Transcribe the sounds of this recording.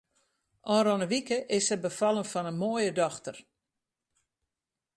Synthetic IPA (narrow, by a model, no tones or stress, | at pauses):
ʔɔnrɔnəʋikəʔɪsəbəfɑlˠənfɔnənmoːjədɔxtər